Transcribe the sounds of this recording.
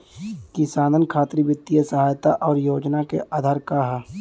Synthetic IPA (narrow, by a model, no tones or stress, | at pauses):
kɪsaːnənkʰaːt̪ɾibɪt̪ːijesəɦaːjt̪aʔɔːɾjoːd͡ʒnakeʔaːd̪ʱaːɾkaɦɛ